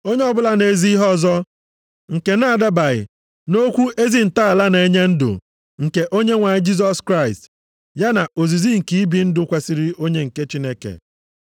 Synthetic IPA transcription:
o˦ɲe˦ɔ˦bʊ˦la˦ne˨zi˦i˦ɦɔ˦˨zɔ˦ | ŋ̩˨ke˨na˦˨da˦ba˨ɣɪ̰˨ | no˦kʷu˦ʔe˦zi˦n̩˨ta˦a˨la˦n˨e˦ɲe˦n̩˦dʊ̰˨ | ŋ̩˨ke˨ʔo˦ɲe˦ŋʷa˨ɲɪ˦d͡ʒi˦z̬ɔ˦skɾa˦ɪ˨st | ja˦na˨ʔo˨zi˨zi˦ŋ̩˨ki˦i˦bi˨˦n̩˦dʊ˦kʷe˨si˦ɾi˦o˦ɲe˦ŋ̩˨ke˦t͡ʃi˦ne˦kḛ˨

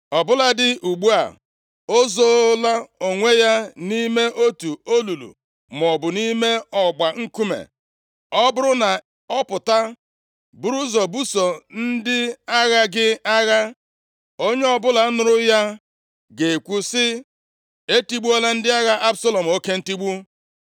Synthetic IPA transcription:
ɔ˨bʊ˦la˦dɪ˦ʔu˨ɡ͡bu˦a̰˨ | o˦zo˦la˦o˨ŋʷe˦ja˦ni˦me˦ʔo˦tu˨o˦lu˨lṵ˨ | m˨ɔ˨bʊ˨ni˦me˦ɔ˨ɡ͡ba˨ŋ̩˦ku˦mḛ˨ | ɔ˦bʊ˦ɾʊ˦na˨ | ɔ˦pʊ˨ta˦ | bu˦ɾu˦zɔ˨bu˦so˨n̩˦dɪ˦a˦ɣa˦ɡɪ˦a˦ɣa˦ | o˦ɲe˦ɔ˨bʊ˦la˨˦nʊ˨ɾʊ˦ja˦ | ɡe˨kʷu˦sɪ˦ | e˦ti˦ɡ͡bu˦ɔ˦la˦n̩˦dɪ˦a˦ɣa˦ʔa˦bsa˦lo˨m̩˨o˦ke˦n̩˦ti˦ɡ͡bu˦

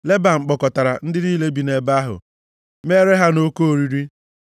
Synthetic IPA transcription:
le˦ba˨ŋ͡m̩˨k͡pɔ˨kɔ˨ta˨ɾa̰˨n̩˦dɪ˦ɾi˦le˦bi˨ne˨ba˦ɦʊ̰˨ | me˦ɾe˦ɦa˦no˦ko˦o˨ɾi˦ɾi˦

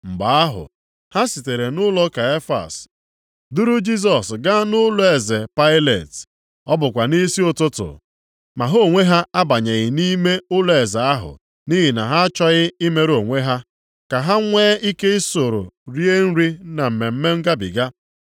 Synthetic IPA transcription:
m̩˨ɡ͡ba˨a˦ɦʊ̰˨ | ha˦si˨te˨ɾe˨nʊ˦lɔ˦ka˨e˦fa̰˨s | du˦ɾu˦d͡ʒi˦s̬ɔ˨sɡa˦nʊ˦lɔ˦e˨ze˨pa˦ɪ˦le˨t | ɔ˦bʊ˨kʷa˨ni˦si˦ʊ˨tʊ˦tʊ̰˨ | ma˨ɦo˦˨ŋʷe˦ɦa˦a˦ba˨ɲe˨ɣɪ˨ni˦me˦ʊ˦le˨za˨a˦ɦʊ̰˨ | ni˦ɦi˨na˨ɦa˦a˦t͡ʃɔ˦ɣɪ˦i˦me˦ɾo˨ŋʷe˦ɦa˦ | ka˨ɦa˦ŋʷeː˦i˦ke˦ɪ˦so˨ɾʊ̰˨ɾi˦e˦n̩˦ɾi˦na˨m̩˨me˨m̩˦me˦ŋ̩˦ɡa˦bḭ˨ɡa˦

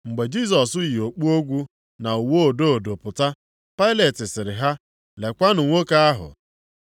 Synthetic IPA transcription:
ŋ͡m̩˨ɡ͡be˨d͡ʒi˦s̬ɔ˨sʊ˦ji˨o˨k͡pu˦o˦ɡʷu˦ | na˨u˨wo˦o˨do˦o˨do˨pʊ˨ta˦ | pa˦ɪ˦le˨tɪ˨sɪ˨ɾɪ˨ɦa˦ | le˨kʷa˦nʊ˨ŋʷo˦ka˦a˦ɦʊ̰˨

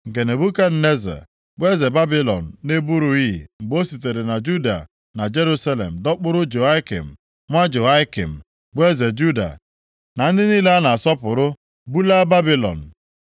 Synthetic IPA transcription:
ŋ̩˨ke˨ne˨bu˦ka˦n̩˦ne˦zɛ̰˨ | ɡ͡bʷe˦ze˨ba˦bi˦lɔ̰˨n̩˨ne˦bu˦ɾu˨i˦˨ŋ͡m̩˨ɡ͡bo˦si˨t̬e˨ɾe˨na˨d͡ʒu˦da̰˨ | na˨d͡ʒe˦ɾu˦sa˦lḛ˨m̩˨dɔ˦k͡pʊ˦ɾʊ˦d͡ʒo˨a˦ɪ˦kḭ˨m̩˨ | ŋʷa˦d͡ʒo˨a˦kḭ˨m̩˨ | ɡ͡be˦ze˨d͡ʒu˦da̰˨ | na˨n̩˦dɪ˦niː˦le˦a˦na˨a˨sɔ˦pʊ˨ɾʊ˦ | bu˦la˦ba˦bi˦lɔ̰˨n̩˨

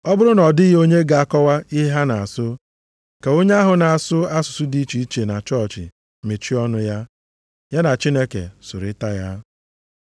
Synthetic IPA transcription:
ɔ˦bʊ˦ɾʊ˦nɔ˨dɪ˦ɦo˦ɲe˦ɡa˨a˦kɔ˦wa˦i˦ɦe˦ɦa˦na˨a˨sʊ˦ | ka˨o˦ɲe˦a˦ɦʊ˨na˨a˨sʊ˦a˦sʊ̥˨sʊ˦di˦t͡ʃi˦i˦t͡ʃe˨na˨t͡ʃɔ˦˨t͡ʃɪ̰˨ | me˨t͡ʃi˦ɔ˦nʊ˦ja˦ | ja˦na˨t͡ʃi˦ne˦kḛ˨sʊ˨ɾɪ˦ta˦ja˦

